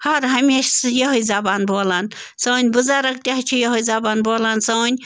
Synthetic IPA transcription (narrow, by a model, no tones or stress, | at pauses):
hɐɾɦɐmʲeːʃsɨjɐɦojzɐbaːnboːlan | sɐnʲbɨzaɾɐk̚t̪ʲaɦt͡ʃʰijɐɦojzɐbaːnboːlansɐnʲ